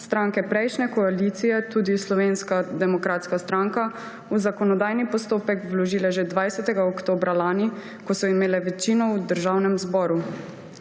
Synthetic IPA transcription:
st̪ɾaŋkɛpɾɛjʃnɛkɔaliːt̪sijɛt̪uːd̪islɔʋeːnskad̪ɛmɔkɾaːt̪skast̪ɾaŋka | uzakɔnɔd̪aːjnipɔst̪oːpɛkwlɔʒiːlɛʒed̪ʋajsɛt̪ɛɡaɔkt̪oːbɾalaːni | kɔsɔimeːlɛʋɛt͡ʃiːnɔwd̪əɾʒawnɛmzbɔːɾu

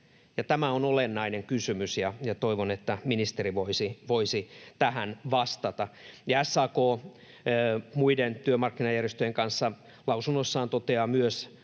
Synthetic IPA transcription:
jɑt̪æmæonolenːɑineŋkysymysjɑjɑt̪oiʋonet̪ːæminist̪eriʋoisiʋoisit̪æhænʋɑst̪ɑt̪ɑjɑæsːɑːkoː | muident̪yømɑrkːinɑjærjest̪øjeŋkɑnsːɑ | lɑusunːosːɑːnt̪ot̪eɑmyøs

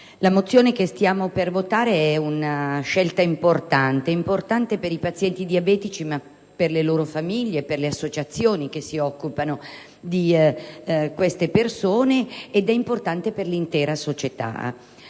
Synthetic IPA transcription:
lamot̪sːjoːnekest̪jaːmopervot̪aːɾeɛunaʃɛlt̪aimport̪ant̪eimport̪ant̪epeɾipat̪sjɛnt̪id̪iabɛːt̪it͡ʃima | pːerleloːɾofamiʎːeperleasːot͡ʃat̪sːjoːnik̟esːiɔkːupano | d̪i | kwest̪epersoːneːd̪ɛimport̪ant̪eperlint̪ɛːɾasot͡ʃet̪a̰

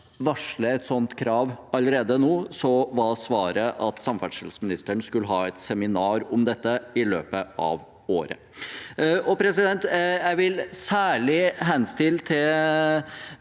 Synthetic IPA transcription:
ʋɑʂɭəɛt̪sɔnt̪kʰɾɑːʋɑləɾeːd̪ənuːsɔʋɑsʋɑːɾəʔɑt̪sɑmfæʈʂɛlsmɪnɪst̪əɳskʉlːəɦɑːɛt̪sɛmɪnɑːɾɔmd̪ɛt̪ːəɪlø̰ːpəʔɑ̰ʋ | oːɾə̰ | ɔpʰɾɛsɪd̪ɛnt̪jæɪʋɪlsæːɭɪɦɛnst̪ɪlːt̪ʰɪl

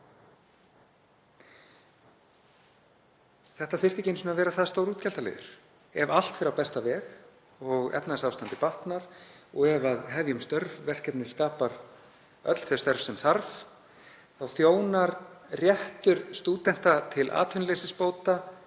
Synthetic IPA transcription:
θɛht̪aθɪr̥t̪ɪcejnsʏnavɛːɾaθaðst̪oːwɾuːt̪cɛl̥t̪alɛ̰ːðʏ̰ɾ̥ | ɛval̥t̪fɪɾawpɛst̪avɛːx | ɔɣɛ̰p̪nasaːwst̪ant̪ɪpaht̪naɾ̥ɔɣɛvaðɦɛvjʏmst̪œɾvvɛr̥cɛt̪nɪskaːpaɾ | œ̰t̪l̥θœst̪œɾfsɛmθaɾv | θawθjoːwnaɾrjɛht̪ʏɾst̪uːt̪ɛn̥t̪at̪ʰɪlʔa̰ːt̪ʰʏnlesɪspoːwt̪a

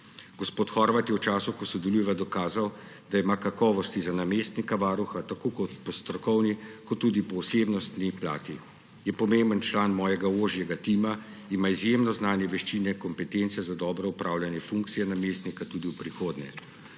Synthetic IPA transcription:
ɡ̥ɔspoːt̪xɔɾʋat̪jɛwt͡ʃaːsukɔsɔd̪ɛlujɛʋad̪ɔkaːzaw | d̪aimaːkakɔːʋɔst̪izanamest̪nikaʋaːɾuxat̪akoːkɔt̪pɔst̪ɾɔkɔwnikɔt̪ːud̪ipɔwseːbnɔst̪nipla̰ːt̪i | jɛpɔmembənt͡ʃlaːnmɔːjɛɡaoːʒjɛɡat̪iːma | imaizjemnɔznaːnjɛʋɛʃt͡ʃinɛkɔmpɛt̪ent̪sɛzad̪ɔːbɾɛupɾaːwljanjɛfuŋk̚t̪sijɛnameːst̪nikat̪uːd̪iwpɾixoːd̪nɛ̰

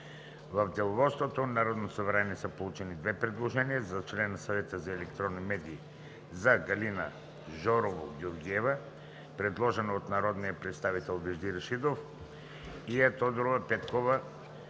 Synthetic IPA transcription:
vavd̪ɛlˠovɔt̪st̪vot̪onaɾɔd̪nosovɾaniɛsəpolˠut͡ʃɛnid̪vɛpɾɛd̪lˠoʒɛnijazat͡ʃlɛnːasavɛt̪əzaɛlɛkt̪ɾɔnːimɛd̪iː | zaɡalina | ʒɔɾovoɡoɾɡiɛva | pɾɛd̪lˠɔʒɛnoːt̪naɾɔd̪nijapɾɛt̪st̪avit̪ɛlˠvɛʒd̪iɾaʃid̪of | iat̪ɔd̪ɾovapɛt̪kova

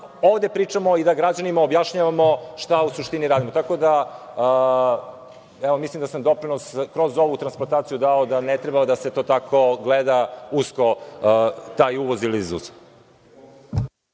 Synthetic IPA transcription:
o̞ʋd̪epɾiːt͡ʂamo̞id̪aɡɾad͡ʑanimaobjaʃɲaʋamo̞ʃt̪ausuʃt̪iniɾaːd̪imot̪ako̞d̪a | ɛʋo̞mislˠimd̪asamd̪o̞pɾinoskɾo̞zo̞ʋut̪ɾansplˠant̪aːt̪sijud̪aod̪anet̪ɾebaad̪aset̪o̞ːt̪akʰo̞ɡled̪ausko̞ | t̪aːjuʋozilizṵz

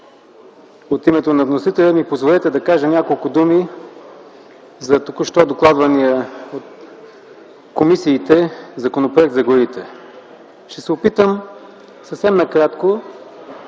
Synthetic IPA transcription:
ot̪imɛt̪onɐvnosit̪ɛlʲəmipozvolɛt̪ɛd̪ɐkaʒənʲakolˠkʊd̪umi | zɐt̪okoʃt̪ɔd̪oklˠad̪vɐnijəot̪ | komisiːt̪ɛzɐkonopɾoɛk̚t̪zɐɡoɾit̪ɛ | ʃt̪ɛsɛopit̪əm | səfsɛmnɐkɾat̪ko

